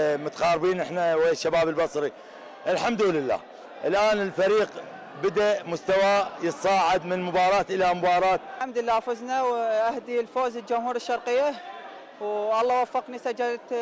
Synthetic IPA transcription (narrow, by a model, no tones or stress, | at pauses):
mʊt̪aqɑːɾbiːnʔɪħnaweʃːabaːbɪlbɑsˤɾi | ʔɪlħamd̪ulɪlːa̰ː | ʔɪlʔaːnɪlfaɾiːq | bɪd̪aʔmʊst̪awajət̪sˤɑːʕɪd̪mɪnmʊbɑːɾˤɑːt̪ʔɪlamʊbɑːɾˤɑːt̪̚amd̪ɪlːaːfʊznawʔahd̪ilfoːzɪld͡ʒʊmhuːɾɪʃːɑɾˤqɪjːa | wʔɑlˤːɑːwafːɑqnisad͡ʒadt̪